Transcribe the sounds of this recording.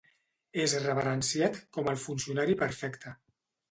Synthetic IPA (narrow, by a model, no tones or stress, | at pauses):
ezrəβəɾənsiat̪kɔməlˠfunsiunaɾipəɾfɛkt̪ʰə